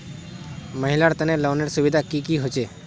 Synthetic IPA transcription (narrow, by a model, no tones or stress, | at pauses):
məɦɪlaɽt̪ənelɔʋneɽsʊʋid̪ʱakikiɦot͡ʃe